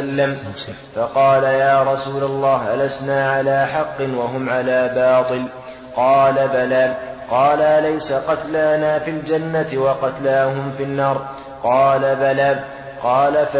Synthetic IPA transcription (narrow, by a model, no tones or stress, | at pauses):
lːam | fɑqɑːlajaːɾˤɑsuːlalˤːɑːhʔalasnaːʕalaːħɑqːɨnwaɦʊmʕalaːbɑːt̪ˤɨl | qɑːlabalaːb̚qɑːlalajsaqɑt̪laːnaːfild͡ʒanːat̪wɑqɑt̪laːɦʊmfinːɑːɾˤ | qɑːlabalaːb | qɑːlaf